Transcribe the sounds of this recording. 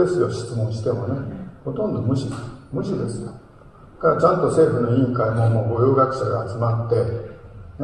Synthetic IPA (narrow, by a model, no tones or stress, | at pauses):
esɨjo̞ɕi̥t͡sɨmõɰ̃ɕi̥t̪e̞mo̞neho̞t̪õ̞nd̪o̞mɯ̟ɕid̪esmɯ̟ɕid̪e̞sɨjo | kaɾat͡ɕãnt̪o̞se̞ːɸɯ̟no̞ĩŋkaimo̞moːɡo̞joːɡakɯ̟ɕaɡaːt͡sɨmat̪ːe̞